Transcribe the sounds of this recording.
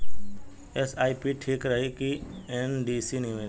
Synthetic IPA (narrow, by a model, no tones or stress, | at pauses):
esaːipiʈʰiːkɾəɦekienɖiːsiniʋẽː